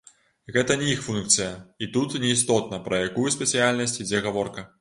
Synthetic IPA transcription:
ɣɛt̪ɐnʲɛixfunkt̪sɨjɐit̪ut̪nʲɛist̪ɔt̪nɐpɾɐjakujɛsʲpʲɛt̪sɨjalʲnɐsʲt͡sʲid͡zʲɛɣɐvɔrkɐ

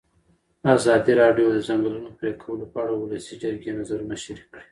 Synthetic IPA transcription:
azɑd̪iɾɑɖjod̪əzaŋɡlunopɾekʰawəlopaɽawʊlasid͡ʒaɾɡenazaɾmaʃɾikɽi̥

